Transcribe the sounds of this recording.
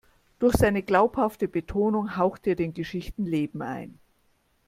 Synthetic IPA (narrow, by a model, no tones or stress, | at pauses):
d̥ʊɐçz̥aɪnəɡlaʊphaftəbətʰoːnʊŋɦaʊxteːɐdeːnɡəʃɪçtn̩leːbm̩a̰ɪn